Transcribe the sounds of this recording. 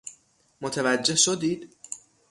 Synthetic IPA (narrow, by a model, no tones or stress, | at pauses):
mot̪ʰevæd͡ʒːe̞hʃod̪iːd̪̥